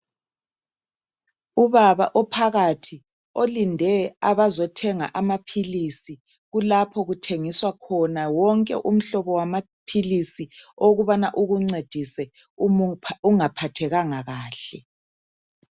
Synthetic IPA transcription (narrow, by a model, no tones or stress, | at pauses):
uβaβa̰ʔɔpʰaɣatʰi | olindʱɛaβazɔtʰɛŋa̰ʔamapʰilisi | ɣulapʰɔɣutʰeŋiswakʰɔnawɔŋkʼɛ̰ʔum̩ɬɔβɔwama | pʰilisioɣuβanaʔuɣuŋ͡ǀed̥ʱisɛ | uŋapʰatʰɛɣaŋaɣaːɬɛ